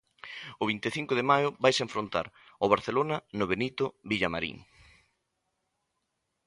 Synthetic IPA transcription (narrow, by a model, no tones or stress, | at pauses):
ʊβint̪eθiŋkʊðemajʊβajseɱfɾont̪a̰ɾoβ̞aɾθelonɐnʊβenit̪ʊβiʎamaɾḭŋ